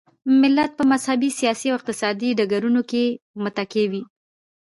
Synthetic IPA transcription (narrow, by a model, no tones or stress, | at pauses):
mɪlːat̪̚pəmazhabisijɑsiawɪq̚t̪ɪsɑd̪iɖaɡaɾunokemət̪akewi